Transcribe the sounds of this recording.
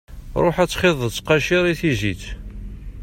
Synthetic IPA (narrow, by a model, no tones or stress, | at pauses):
ɾˤoħæt͡sːχɪðˤət͡sqɑʃiɾˤiθizit͡s